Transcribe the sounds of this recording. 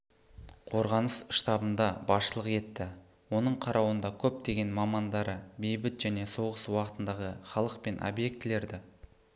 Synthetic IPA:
qʰo̞ɾʁɑnəsʃt̪ɑbənd̪ɑbɑʃəlˠəqe̞t̪ːɪ | wo̞nəɴqʰɑɾʔɑwənd̪ɑkʲʰɵp̚d̪e̞ɡʲe̞nmɑmɑnd̪ɑɾəbe̞jbɪt̪ʒ̥æne̞so̞ʁəswɑqət̪ənd̪ɑʁəχɑlˠəq̚pe̞nʔo̰bje̞k̚t̪ɪle̞ɾd̪ɪ

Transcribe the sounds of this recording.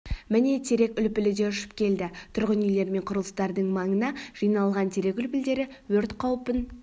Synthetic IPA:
mɪne̞t̪ʰe̞ɾe̞kʲʏlpɪlɪd̪e̞ʏʃɪ̥pkʲʰe̞ld̪ɪt̪ʰʊɾʁənijle̞ɾme̞ɴqʰʊɾəlˠəst̪ɑɾd̪əɴmɑɴənɑʒ̥ijnɑlˠʁɑnt̪ʰe̞ɾe̞kʲʏlpɪld̪e̞ɾɪwɵɾt̪qʰɑwpən

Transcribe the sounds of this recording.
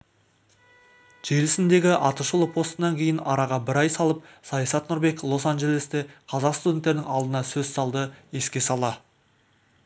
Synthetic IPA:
ʒ̥e̞lɪsɪnd̪e̞ɡʲɪʔɑt̪əʃəlˠəpʰo̞st̪ənɑŋkʲʰe̞jɪnɑɾɑʁɑbɪɾɑjsɑlˠəp̚sɑjɑsɑt̪nʊɾbe̞klˠo̞sanʒe̞lest̪e̞qʰɑzɑqst̪ud̪ʲe̞nt̪ːeɾɪnɪŋɑlˠd̪ənɑsɵzsɑlˠd̪əe̞skʲe̞sɑlˠɑ

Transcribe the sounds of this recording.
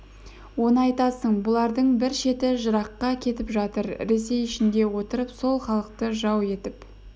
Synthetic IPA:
wo̞nəɑjt̪ɑsəɴbʊlˠɑɾd̪əɴbɪɾʃe̞t̪ɪʒəɾɑqːɑkʲʰe̞t̪ɪpʒɑt̪əɾɾe̞se̞jɪʃɪnd̪e̞wo̞t̪əɾəpso̞lˠχɑlˠəq̚t̪əʒɑwe̞t̪ɪp

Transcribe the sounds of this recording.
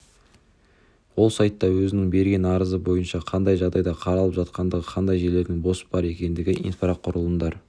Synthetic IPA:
wo̞lˠsɑjt̪ːɑwɵzɪnɪŋbe̞ɾɡʲenɑɾəzəbo̞jənʃɑqʰɑnd̪ɑjʒɑɾd̪ɑjd̪ɑqʰɑɾɑlˠəpʒɑt̪qɑnd̪əʁəqʰɑnd̪ɑjʒe̞ɾle̞ɾd̪ɪŋbo̞sə̥bɑɾe̞kʲe̞nd̪ɪɡʲɪʔḭnfɑɾɑqqʰʊɾəlˠənd̪ɑɾ

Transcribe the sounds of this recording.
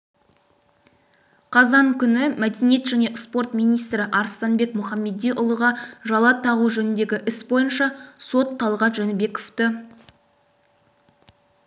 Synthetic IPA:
qʰɑzɑŋkʲʰʏnɪmæd̪e̞nije̞t̪ʒæne̞spo̞rt̪mijnijst̪ɾɪʔɑɾst̪ɑnbe̞kmʊχɑmːe̞d̪ijʔʊlˠəʁɑʒɑlˠɑt̪ʰɑʁuʒɵnɪnd̪e̞ɡʲɪʔɪsbo̞jənʃɑso̞t̪q̪ʰɑlˠʁɑt̪ʒɵnɪbe̞koft̪ə

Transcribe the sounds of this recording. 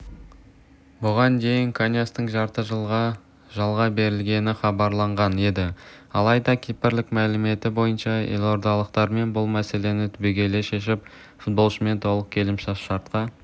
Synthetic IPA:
bʊʁɑnd̪e̞jɪŋkʰanʲjast̪əɴʒɑɾt̪əʒəlˠʁɑ | ʒɑlˠʁɑbe̞ɾɪlɡʲe̞nɪχɑbɑɾlˠɑɴʁɑne̞d̪ɪɑlˠɑjd̪ɑkʲʰepɪɾlɪkmælɪme̞t̪ɪbo̞jənʃɑjḛlʲo̞ɾd̪ɑlˠəq̚t̪ɑɾme̞nbʊlˠmæse̞le̞nɪt̪ʰʏbiɡʲe̞le̞ʃe̞ʃɪp̚ | fut̪̚bo̞lˠʃəme̞nt̪ʰo̞lˠəq̚kʲʰe̞lɪmʃɑsʃɑɾt̪̚qɑ

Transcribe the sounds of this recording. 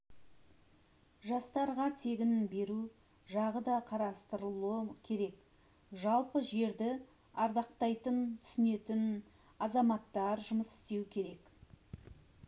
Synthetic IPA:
ʒɑst̪ɑɾʁɑt̪ʰe̞ɡʲɪnbe̞ɾu | ʒɑʁəd̪ɑqʰɑɾɑst̪əɾəlˠuəkʲʰe̞ɾe̞k̚ | ʒɑlˠpəʒe̞ɾd̪ɪ | ɑɾd̪ɑqt̪ɑjt̪ənt̪ʰʏ̥sɪne̞t̪ɪn | ɑzɑmɑt̪ːɑɾʒʊməsɪ̥st̪e̞wkʲʰe̞ɾe̞k

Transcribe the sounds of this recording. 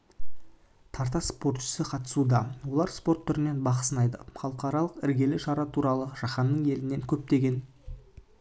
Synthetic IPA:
t̪ʰɑɾt̪ɑspo̞ɾt̪ʃɪ̥sɪqʰɑt̪ə̥sud̪ɑwo̞lˠɑɾspo̞ɾt̪ʰːʏɾɪne̞nbɑqə̥sənɑjd̪ə̰χɑlˠəqɑɾɑlˠəqɪɾɡʲe̞lɪʃɑɾɑt̪ʰuɾɑlˠəʒ̥ɑχɑnːəɴe̞lɪne̞ŋkʲʰɵp̚t̪e̞ɡʲe̞n

